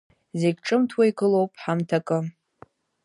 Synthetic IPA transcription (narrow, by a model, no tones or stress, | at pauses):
zeɡ̚ʲʈ͡ʂʼɨmtʰwaiɡʼɨlo̞wpʼħamtʰakʼɨ